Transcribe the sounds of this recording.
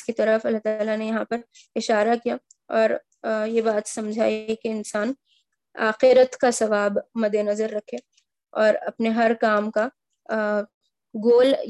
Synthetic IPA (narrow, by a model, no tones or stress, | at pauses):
skit̪ɐɾəfɐlːaɦt̪aːlanejɐɦãpɐɾ | ɪʃaːɾakija | ɔːɾ | jebaːt̪sɐmd͡ʒʱa̰ːikeɪnsaːn | a̰ːxɪɾət̪kasɐʋaːbmɐd̪enɐzəɾːɐkʰe | ɔːɾɐpneɦɐɾkaːmka | ɡoːl